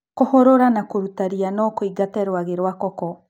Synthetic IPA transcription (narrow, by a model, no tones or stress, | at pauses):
kohoɾoɾanakoɾutaɾianɔkoiɡatɛɾwaɣeɾwakɔkɔ